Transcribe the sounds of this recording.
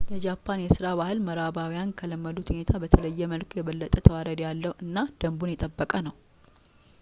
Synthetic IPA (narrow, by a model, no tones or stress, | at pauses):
jɛd͡ʒapʰːanjɛsɨɾaβahɨlməɾabawijankʰələmːəd̪ut̪hune̞t̪ʰabət̪ʰələjːɛməlkʰojɛβəlːət̪ʼət̪ʰəwaɾəd̪jalːəhuʔɨnːad̪̥əmbunjɛt̪ʼəbːəkʼənəw